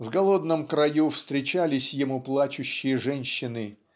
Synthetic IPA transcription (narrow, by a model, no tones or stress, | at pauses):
vɡɐlˠo̞d̪nəmkɾɐjufst̪ɾʲɪt͡ɕalʲɪsʲjɪmuplˠat͡ɕʊɕːɪjəʐɛnʲɕːɪnɨ